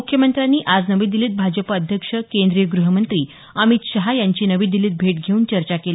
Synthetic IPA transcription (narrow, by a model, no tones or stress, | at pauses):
ukʰjəmənt̪ɾanːiːʔad͡znəʋiːd̪iliːt̪̚bʱad͡ʑəpaəd̪ʱjəkʂəkend̪ɾijəɡɾuɦəmənt̪ɾiː | əmit̪ɕəɦajaɲt͡ɕiːnəʋiːd̪iliːt̪̚bʱeʈɡʱeuːnt͡ɕəɾt͡ɕakeli